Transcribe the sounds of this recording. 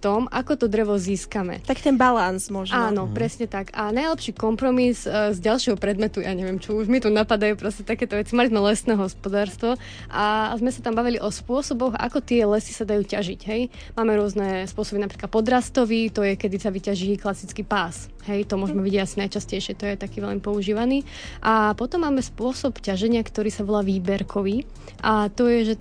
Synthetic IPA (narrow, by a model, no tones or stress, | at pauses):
ft̪ɔma̰kɔt̪ɔd̪ɾɛʋɔziːskamɛ̰t̪aki̥t̪ɛnbalansmɔʒaːnɔpɾɛsɲɛt̪akanajlɛpʃiːkɔmpɾɔmizzɟalˠʃɪɛɦɔpɾɛd̪mɛt̪ujaːɲɛʋɪɛmt͡ʃuuʒmit̪unapad̪ajuːpɾɔscɛt̪akɛːt̪ɔʋɛt͡simalizmɛlɛsnɛːɦɔspɔd̪aːɾst̪ʋɔ | ʔazmɛsat̪ambaʋiliʔɔspʊɔsɔbɔxa̰kɔt̪ɪɛlɛsi̥sad̪ajuːcaʒiɟɦɛj | maːmɛɾʊɔznɛspʊɔsɔbinapɾiklat̪pɔd̪ɾast̪ɔʋit̪ɔjɛkɛd̪isaʋicaʒiklasit͡skiːpaːs | ɦɛjt̪ɔmʊɔʒmɛʋiɟiasinajt͡ʃascɛjʃɪɛt̪ɔjɛt̪akiːʋɛlmipɔuʒiːʋaniː | ʔapɔt̪ɔmːaːmɛspʊɔsɔpcaʒɛɲɪakt̪ɔɾiːsaʋɔlaːʋiːbɛɾkʰɔʋiː | ʔat̪ɔjɛʒɛ